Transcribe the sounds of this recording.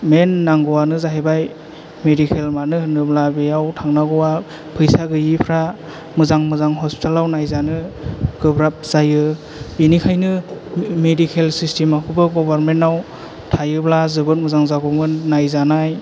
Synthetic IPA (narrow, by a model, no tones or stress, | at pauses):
menːaŋɡɔwanɯzaɦebaj | medikʰelmanɯnɯblabejawtʰaŋnaɡɔwa | pʰɯjsaɡɯjipʰɾa | mɯzaŋmɯzaŋɦɔspi̥tʰalawnajzanɯɡ̥ɯbɾap̚z̥ajɯ | binikʰajnɯmedikʰelsistemakʰubɯɡɔbaɾmentːaw | tʰajɯblazɯbɯt̚mɯzaŋzaɡɔmɯnnajzanaj